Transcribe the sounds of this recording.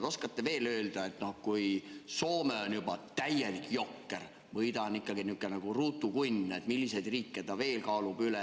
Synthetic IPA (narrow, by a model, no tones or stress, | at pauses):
o̞skɑt̪ːe̞ve̞ːlø̞ːld̪̥ɑet̪no̞hkujso̞ːmeonjubɑt̪æjːelikjo̞kːer | vɤjd̪ɑnikːɑɡ̥inykːˑenɑɡ̥uruːt̪ːˑukunʲet̪milːise̞jd̪riːkːet̪ɑve̞ːlkɑːlub̥yle